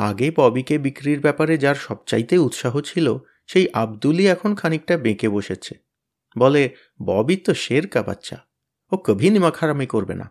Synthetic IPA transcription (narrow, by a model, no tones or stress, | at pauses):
a̰ɡebɔbikebikɾiɾbɛpaɾed͡ʑaɾʃɔb̚t͡ɕajt̪eut̪ʃaɦot͡ɕʰilo | ʃejʔabd̪uliɛkʰonkʰanik̚ʈabekeboʃet͡ɕʰe | bɔle | bɔ̰bit̪oʃeɾkaba̰tːɕʰa̰ | okəbʱinimakʰaɾamikoɾbḛna̰